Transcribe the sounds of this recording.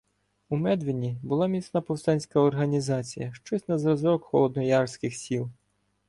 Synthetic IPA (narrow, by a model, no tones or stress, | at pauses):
umɛd̪ʋɪnʲibʊlˠɑmʲisnɐpɔwst̪ɑnʲsʲkɐɔrɦɐnʲizɑt͡sʲḭjɐʃt͡ʃɔsʲnɐzɾɔzɾɔkxɔ̰lˠɔd̪nɔjɑrsʲkɪxsʲilˠ